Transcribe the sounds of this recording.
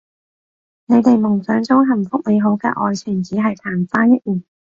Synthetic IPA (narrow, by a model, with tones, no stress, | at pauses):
ne˨˧jt̪e˨jmʊ˨˩ŋsœː˨˧ŋt͡sʊ˨˥ŋɦɐ˨˩mfʊ˥k̚ne˨˧jɦo˨˥wkɛ̰ː˧ʔɔ̰ː˨jt͡ʃʰyː˨˩nt͡siː˨˥ɦɐ˨jt̪ʰaː˨˩mfaː˥njɐ˥t̚jiː˨˩n